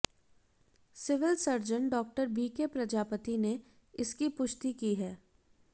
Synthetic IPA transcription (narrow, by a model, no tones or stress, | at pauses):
sɪʋɪlsɐɾd͡ʒənɖɔːk̚ʈəɾbiːkepɾɐd͡ʒaːpət̪ine | ɪskipʊʃt̪ikiɦɛː